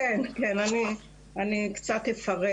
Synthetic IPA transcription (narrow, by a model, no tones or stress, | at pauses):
enkenani | anikt͡sat̪efaʁe